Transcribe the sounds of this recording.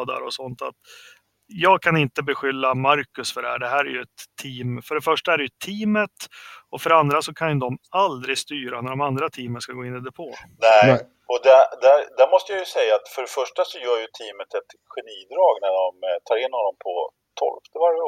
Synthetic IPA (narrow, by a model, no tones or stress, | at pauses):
d̪a̰ɾɔsɔnt̪a̰t̪ | jɑːɡ̚kʰanɪnt̪əbɛɧʏlːamaɾkɵsfœɖɛhæ̰ːɖɛɦæːɾæjɵɛt̪ʰːiːmfœɖɛfœʂʈaæɾɛjɵt̪ʰiːmət̪ɔfœɖɛand̪ɾasɔkʰanjd̪ɔmald̪ɾɪɡst̪yːɾanæɖɔmand̪ɾat̪ʰiːmənskaɡoːɪnːid̪ɛpʰoː | nɛ | ɔd̪ɛd̪æɾd̪æɾmɔst̪əjajɵsɛjːaːt̪fœɖɛfœʂʈasɔjœːɾjɵt̪ʰiːmət̪ʰɛt̪ | ɧɛniːd̪ɾɑːɡnæɖɔmt̪ʰɑːɾɪnhɔnːɔmpʰɔ | t̪ʰɔ̰lft̪ʰɪvaɾjə